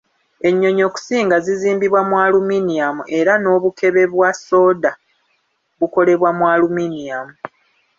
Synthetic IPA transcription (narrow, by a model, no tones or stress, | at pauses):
e̞ɲːo̞ɲo̞ːku̥siːŋɡaziziːmbiβwamwaːluminiamuʔe̞ɾano̞ːβukʰe̞βe̞βwaso̞ːda | βuko̞le̞βwamwaːluminijamu